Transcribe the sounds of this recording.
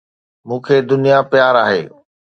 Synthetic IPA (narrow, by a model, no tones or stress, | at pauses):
mũːkʰed̪ʊnijapjaːɾaːɦḛː